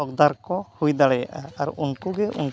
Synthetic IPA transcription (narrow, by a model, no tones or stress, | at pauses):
ɔɡd̪aɾkɔhujd̪aɭɛaɾunkuɡɛʔṵn